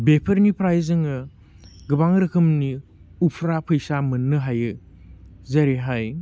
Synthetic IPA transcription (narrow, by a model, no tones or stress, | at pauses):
bepʰɐɾnipʰɾajzɯŋɯ | ɡɯbaŋɾɐkʰɯmni | upʰɾapʰɯjsamɯnːɯɦajɯ | zɐɾeɦaj